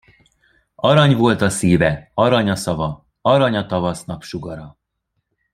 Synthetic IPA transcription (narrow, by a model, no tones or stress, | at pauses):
ɒɾɒɲvo̞lt̪ɒsiːvɛɒɾɒɲɒsɒvɒ | ɒɾɒɲɒt̪ɒvɒsnɒpʃuɡɒɾɒ